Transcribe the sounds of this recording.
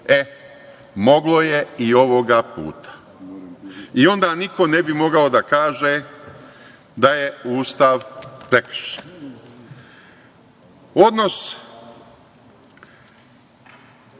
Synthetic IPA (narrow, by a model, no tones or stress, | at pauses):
e | mo̞ɡlo̞je̞io̞ʋoɡapṵːt̪ʰḁ | io̞nd̪aːniko̞nebimo̞ɡaod̪akaːʒe | d̪aje̞uːst̪aʋpɾek̩ʃe̥n | o̞d̪no̞s